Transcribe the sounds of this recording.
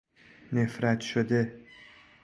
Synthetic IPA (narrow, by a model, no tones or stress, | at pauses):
ne̞fɾæt̪ʃod̪e̞